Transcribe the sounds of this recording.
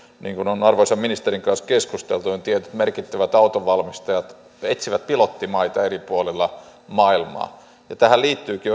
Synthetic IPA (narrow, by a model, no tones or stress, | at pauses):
niːŋkunonɑrʋosɑminist̪eriŋkɑnskeskust̪elt̪unint̪iet̪yt̪merkit̪ːæʋæt̪ɑut̪oʋɑlmist̪ɑjɑt̪ | et̪siʋæt̪̚pilot̪ːimɑit̪ɑeripuolelːɑmɑilmɑ̰ː | jɑt̪æhæliːt̪ːyːki